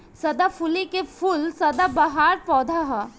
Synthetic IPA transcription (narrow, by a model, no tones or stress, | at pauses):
sɐd̪afʰʊlikefʰʊlsɐd̪abɐɦaːɾpɔːd̪ʱaɦa